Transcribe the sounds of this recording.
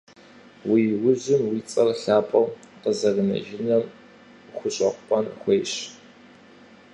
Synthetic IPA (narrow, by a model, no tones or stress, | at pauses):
wiːwʊʑɪmwiːt͡sʼɐrɬaːpʼɐw | qəzɐrɨnɐ̰ʒɪnɐm | χʷʊɕʼɐqʷʊpʼɐnxʷejɕ